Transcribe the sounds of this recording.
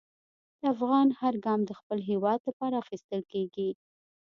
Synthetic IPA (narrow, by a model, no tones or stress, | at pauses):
d̪̥əafɣɑnhaɾɡɑmd̪əxpəlɦewɑd̪lapɑɾaːxist̪əlkeɡi